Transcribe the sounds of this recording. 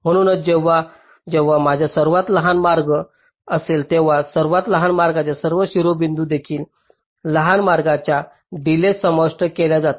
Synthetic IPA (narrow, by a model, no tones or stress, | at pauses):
m̤əɽ̃uːnət͡sd͡ʑeʋːa | d͡ʑeʋːamad͡ʑʱjasəɾʋat̪ləɦanmaɾɡə | əselt̪eʋ̤asəɾʋat̪ləɦanmaɾɡat͡ɕjasəɾʋəɕiɾobind̪uːd̪ekʰiːl | ləɦanmaɾɡat͡ɕja | ɖilesəməʂʈəkeljad͡zat̪ḁ